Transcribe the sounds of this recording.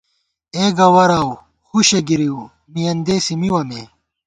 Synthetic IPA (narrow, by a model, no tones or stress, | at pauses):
eɡɐwɐɾaw | xuɕeɡiɾiu | mijɐnd̪eːsimiwɐmeː